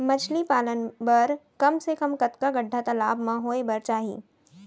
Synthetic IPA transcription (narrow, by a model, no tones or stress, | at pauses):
mɐt͡ʃʰlipaːlənbɐɾkɐmsekɐmkɐt̪kaɡɐɖʱːat̪ɐlaːbmãɦoːebɐɾt͡ʃaːɦḭː